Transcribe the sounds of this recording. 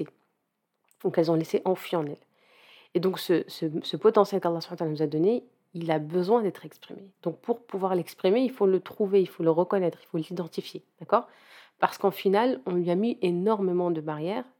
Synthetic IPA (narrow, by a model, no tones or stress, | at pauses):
e | d̪̥ɔ̃kɛlzɔ̃leseʔɑ̃fɥiɑ̃nɛl | ed̪ɔ̃ksəsəsəpɔt̪ɑ̃sjɛlkalːasu̥panwat̪alanuzad̪ɔne | ilabəzwɛ̃d̪ɛt̪χɛkspχimed̪̥ɔ̃k̚puʁpuvwaʁlɛkspχimeilfolət̪χuveilfoləʁəkɔnɛt̪χilfolid̪ɑ̃t̪ifjed̪̥akɔʁ | paʁsə̥kɑ̃finalɔ̃lɥiamiʔenɔʁmemɑ̃d̪əbaʁjɛːʁ